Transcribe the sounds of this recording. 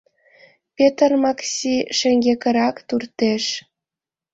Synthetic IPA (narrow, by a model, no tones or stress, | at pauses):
pʲet̪ərmɑksʲiʃɘ̆ŋɡʲekʲə̆ɾɑkt̪urt̪eʃ